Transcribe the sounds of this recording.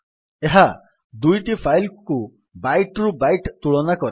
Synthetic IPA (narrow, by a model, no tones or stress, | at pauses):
eɦa | d̪ujʈipʰajlku | bajʈɾubajʈt̪uɭɔnakɔɾi